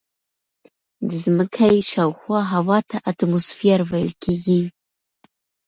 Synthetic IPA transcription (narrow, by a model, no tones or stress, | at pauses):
d̪əzməkʰajʃawxwɑɦawɑt̪ʰaʔat̪mosfijaɾwajəlkʲʰeɡʲi